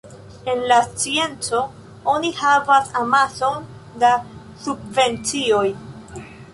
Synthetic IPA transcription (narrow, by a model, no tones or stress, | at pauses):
e̞nlast͡sie̞nt͡so̞ | o̞nihavasamaso̞n | da | sub̚ve̞nt͡sio̞j